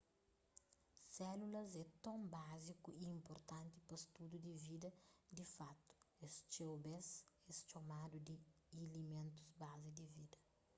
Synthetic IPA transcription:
sɛlulɐzɛt̪õmbazikuiĩmpoɾt̪ãnt̪ipɐst̪ud̪ud̪ivid̪ɐd̪ifat̪u̥est͡ʃewbɛzɛst͡ʃomad̪ud̪i | elimẽnt̪u̥zbazid̪ivid̪ɐ

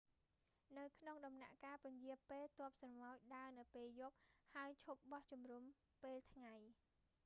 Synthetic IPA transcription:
nɨwkʰnoŋɗɑmna̰ʔkaːpʊ̆ɲjiəpeːlt̪ŏəp̚sɑnmaɔc̚ɗaənɨwpeːljop̚haəjt͡ɕʰup̚ɓɑht͡ɕumrum | peːlt̪ʰŋaj

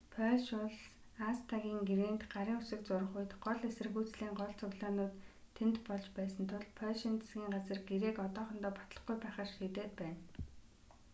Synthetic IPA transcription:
pʰœʃʊɮs | ast̪ʰaɣʲiːŋɡiɾeːnt̪ɢaɾiːŋʊsɘ̆k̚t͡sʊɾə̆χʊjt̪ɢɔɮesɘ̆rɣuːt͡sɮiːŋɢɔɮt͡sɵɣɮaːnʊːt̪ʰː | ent̪pɔɮt͡ɕpæːsə̆nt̪ʰʊɮpʰœɮʃint͡se̥sɡʲiːŋɢat͡sə̆rɡeɾeːkɔt̪ɔːχɞ̆nt̪ɔːpɔ̥t̪ɮə̥̆χɡujpæːχărʃiːt̪eːt̪̚pæːn

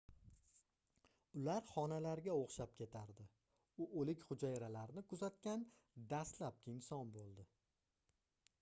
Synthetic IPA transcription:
ʊlaɾχɒnalaɾɡʲaoχʃap̚kʲʰe̞t̪ʰaɾd̪ɪ | ʊʔolɪkʲχʊd͡ʒajɾalaɾnɪkʰʊzat̪̚kʲan | d̪ast̪lap̚kʲɪnsɒnbolˠd̪ɪ

